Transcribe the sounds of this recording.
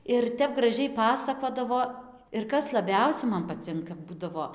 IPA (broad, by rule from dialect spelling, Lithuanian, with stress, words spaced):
ɪr ˈtʲɛp ɡrɐˈʒʲɛɪ ˈpɑːsɐkoːdɐʋoː ɪr ˈkɐs lˠɐˈbʲɛʊsʲɛ ˈmɐn pɐˈt͡sʲɪŋkɐ ˈbuːdɐʋoː